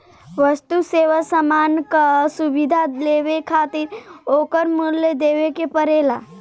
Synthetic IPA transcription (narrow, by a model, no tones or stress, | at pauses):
ʋəst̪useːʋasəmaːnkasuʋid̪ʱaleːʋekʰaːt̪ɪɾoːkəɾmulːed̪eːʋekepəɾeːla